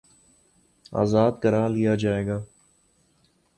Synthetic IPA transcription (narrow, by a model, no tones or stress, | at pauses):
a̰ːzaːd̪̚kəɾaːlijaːd͡ʒaːeːɡaː